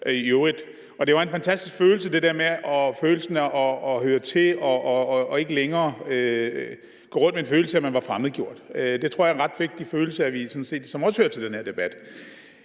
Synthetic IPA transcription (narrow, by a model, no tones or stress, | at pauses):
joed̥ | ɒ̽d̥e̝ʋɑ̈e̝nfænt͡sʰæsd̥isɡ̥føːl̩səd̥e̝d̥eɐmeɒ̽føːl̩sənɒːɦøːɐt͡sʰe̝ɒ̽e̝ɡ̥əleŋɐːø | ɡ̥ɔ̰ːʁɔ̽nd̥̚menføːl̩səæmænʋɑ̈fʁaməð̞̩ˠɡjo̝ɐ̰d̥ød̥e̝t͡sʰʁo̝ɐ̰jenʁɑ̈d̥ʋe̝ɡ̥̚d̥iføːl̩səæʋisɒ̽nse̝̰ːd̥sɒ̽mɒ̽shøɐt͡sʰe̝ld̥enheɐ̰d̥e̝b̥æd̥